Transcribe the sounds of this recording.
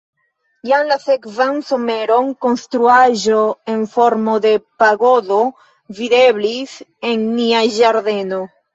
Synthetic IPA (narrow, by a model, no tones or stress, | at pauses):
jamlasekvansomeɾo̞ŋkonst̪ɾuaʒoeɱfo̞ɾmoðe̞paɣoðo | viðeβliseŋniaʒaɾðeno